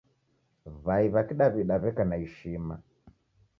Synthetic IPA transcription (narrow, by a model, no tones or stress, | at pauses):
βaiβakiɗaβiɗaβɛkanaiʃima̰